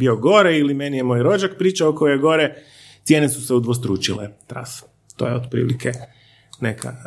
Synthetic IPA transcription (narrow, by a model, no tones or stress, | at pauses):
bioɡo̞ɾeilimenijemo̞jɾo̞d͡ʒak̚pɾiːt͡ʃaokojjeɡo̞ɾe | t̪sjeːnesuse̞ud̪ʋost̪ɾuːt͡ʃilet̪ɾa̰s | t̪oːjeod̪pɾḭːlikʰe | nekʰa̰